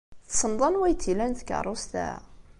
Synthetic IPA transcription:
θsəmd̪ˤɑnwæjt̪ːilænθəkːə̰rˤːost̪æ̰

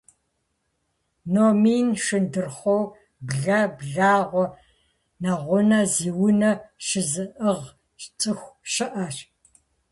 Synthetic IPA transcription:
noːmiːnʂɨndɨrχʷow | bɮɐbɮaːʁʷɔ | nɐʁʷʊnɐziːwʊnɐʃɨzɨʔəʁ | ʃt͡sʼɨxʷʃɨʔɐʂ

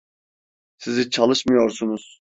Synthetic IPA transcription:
sizit͡ʃʰalˠɯʃmɯjo̞ɾsunuz̥

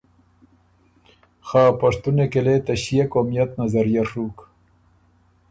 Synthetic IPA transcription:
xaːpɐʂt̪unekeleːt̪ɐɕijɐkoːmijɐt̪nɐzɐɾijɐʂuːk

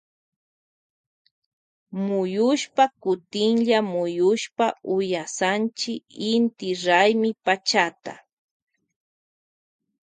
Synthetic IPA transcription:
mʊjʊʃpakʊt̪ɪŋʎamʊjʊʃpaʊjasant͡ʃɪkɪnt̪ɪɾajmɪpat͡ʃat̪a̰

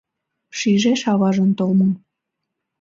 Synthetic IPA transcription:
ʃiʒeʃɑβɑʒənt̪olmɤm

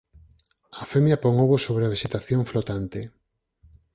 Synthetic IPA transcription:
afemjapoŋoβosoβɾeaβeʃet̪aθjoɱflot̪ant̪e

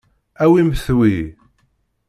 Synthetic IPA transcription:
æwimθwi

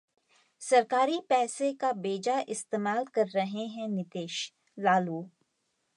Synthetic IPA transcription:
sɐɾkaːɾipɛːsekabeːd͡ʒaʔɪst̪eːmaːlkɐɾːɐɦeɦɛ̃nɪt̪eːʃ | laːluː

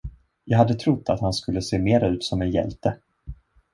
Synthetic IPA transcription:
jɑːɦad̪ːət̪ʰɾʊt̪ːat̪hanskɵlːəseːmeːɾaʉ̟ːt̪sɔmɛnjɛ̰lt̪ə

